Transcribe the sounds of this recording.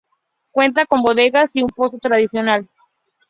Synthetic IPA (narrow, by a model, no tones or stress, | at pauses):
kwe̞nt̪̬ako̞mbo̞ðe̞ɣasiumpo̞sot̪ɾaðisjo̞nal